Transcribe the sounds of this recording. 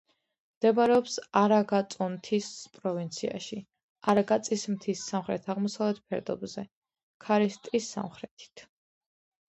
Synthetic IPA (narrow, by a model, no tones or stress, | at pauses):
md̪̥ɛbaɾɛɔpsaɾaɡat̪sʼɔmt̪ʰispʼɾɔvint̪sʰia̰ʃi | aɾaɡat̪sʼismt̪ʰisːamχɾɛ̰t̪ʰaʁmɔsavlɛt̪̚ʰpʰɛɾd̪ɔ̰bzɛ | kʰaɾist̪ʼisːa̰mχɾɛt̪ʰi̥t̪ʰ